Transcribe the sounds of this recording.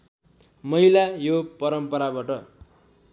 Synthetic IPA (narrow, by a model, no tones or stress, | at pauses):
mʌilajopʌɾʌmpʌɾabaʈʌ